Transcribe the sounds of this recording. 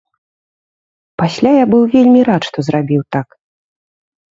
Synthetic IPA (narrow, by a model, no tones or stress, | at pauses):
pasʲlʲajabɨwvʲelʲmʲiɾat̪ʂt̪ɔzrabʲiwt̪ak